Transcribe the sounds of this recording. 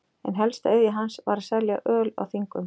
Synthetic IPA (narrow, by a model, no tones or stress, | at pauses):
ɛ̰nɦɛlst̪aœðjɪɦansvaːɾsɛɾlɛa̰ʔœːla̰wθiŋkʏm